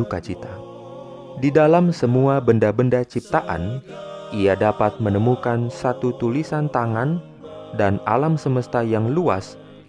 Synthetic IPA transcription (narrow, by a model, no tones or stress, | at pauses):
ukat͡ʃit̪a | didalamsəmuabəndabəndat͡ʃip̚t̪aʔa̰nʔiadapat̪̚mənəmukansat̪ut̪ulisant̪aŋan | dana̰lamsəməst̪ajaŋlua̰s